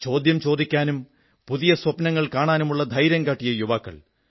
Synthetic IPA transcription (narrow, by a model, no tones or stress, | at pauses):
t͡ɕo̞ːd̪jɐmt͡ɕo̞ːd̪ikʲːaːnum | puðijɐswɐpnɐŋːɐɭkaːɳaːnumuɭːɐd̪ʱɐjɾɐŋɡaːʈːijɐjuʋaːkːɐ̰ɭ